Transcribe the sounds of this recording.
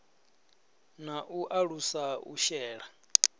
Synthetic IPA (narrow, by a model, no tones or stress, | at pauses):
naʔuʔaɺusaṵʃɛːɺa